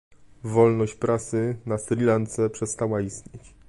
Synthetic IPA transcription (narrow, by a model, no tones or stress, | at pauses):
vɔlnɔɕt͡ɕpɾasɘnasɾʲilant̪sɛpʂɛst̪awaist̪ɲet͡ɕ